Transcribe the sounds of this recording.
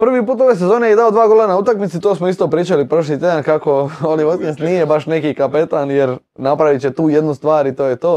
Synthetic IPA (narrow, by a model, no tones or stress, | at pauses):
pr̩ʋipuːt̪oʋejs̬e̞zo̞ːnejed̪aod̪ʋaːɡolanaut̪akmit̪sit̪oːsmoist̪o̞ːpɾiːt͡ʃalipɾoʃ̬lit̪ɾed̪ankako̞oljiʋod̪kest̪nijebaʃnekiːkapet̪anjeɾ | napɾaʋit͡ɕet̪uːjed̪nust̪ʋaːɾit̪oːjet̪o̞ː